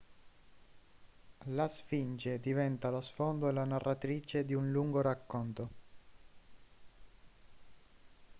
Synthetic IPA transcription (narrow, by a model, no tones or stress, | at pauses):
lasfind͡ʒed̪ivɛnt̪alosfond̪oelanarːat̪ɾiːt͡ʃed̪iunluŋɡoɾakːont̪o